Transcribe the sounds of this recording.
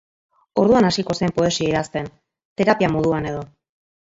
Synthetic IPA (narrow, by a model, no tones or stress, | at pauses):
o̞ɾðuanasiko̞sempo̞e̞sieiɾast̪e̞n | t̪e̞ɾapiamoð̞uane̞ð̞o̞